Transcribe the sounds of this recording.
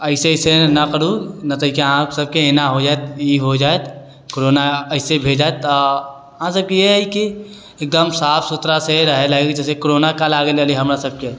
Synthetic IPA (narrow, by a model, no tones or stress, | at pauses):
əɪseɪsenɐkəɾuɡnət̪ɐɦikeãsəb̚keenaɦod͡ʒaet̪iɦod͡ʒaːet̪ | koɾoːnaəɪsebʱeːd͡ʒaːet̪ː | ãsəb̚kijiki | eːk̚d̪əmsaːpʰsʊt̪ɾaseɾəɦelaɡkd͡ʒɛːsekoɾoːnakalaːɡeləliɦɐmɾasəb̚ke